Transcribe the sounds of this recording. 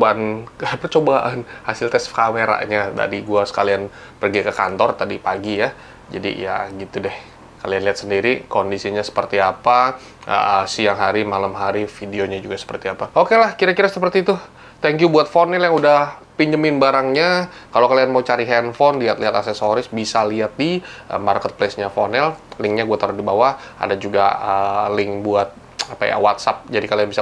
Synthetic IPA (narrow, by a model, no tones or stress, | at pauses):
banəpərt͡ʃobaʔanhasɪlt̪ɛskameɾa̰ɲada̰diɡuasə̥kalian | pərɡikəka̰nt̪ɔrt̪adipaɡija | d͡ʒa̰dḭja̰ɡit̪udɛh | kalianliɦat̪səndiɾikondisiɲasə̥pərt̪iapa | ə̰siaŋɦaɾimalamɦaɾifideoɲad͡ʒuɡasə̥pərt̪iapaʔokelahkiɾakiɾasəpərt̪it̪ʊ | t̪ɛŋkjubuat̪̚fonɛljaŋudahpiɲd͡ʒəmɪnbaɾaŋɲa | kalokalianmaut͡ʃaɾiɦɛnfɔnliɦat̪liɦat̪asɛsoɾɪsbisaliat̪̚diʔəmarkət̪̚plesɲafonɛllɪŋɲaɡuat̪əɾʊsdibawaha̰dad͡ʒuɡa̰əlɪŋbuat̪̚ | apa̰ja̰wat̪̚sap̚d͡ʒadikalianbisa